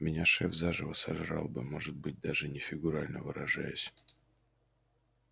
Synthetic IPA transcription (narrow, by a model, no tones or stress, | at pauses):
mʲɪnʲaʂɛfzaʐɨvəsɐʐɾɑ̰lˠbɨmo̞ʐɨt̪̚bɨt̚ʲd̪aʐɨnʲɪfʲɪɡʊɾalʲnəvɨɾɐʐajʊsʲ